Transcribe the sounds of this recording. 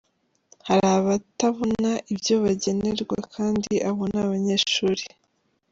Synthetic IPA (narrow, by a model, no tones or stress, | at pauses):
haɾaβataβonaʔibjo̞βaɟe̞ne̞ɾɡwakʰaːndiʔaβonaβaɲe̞ːʃuːɾi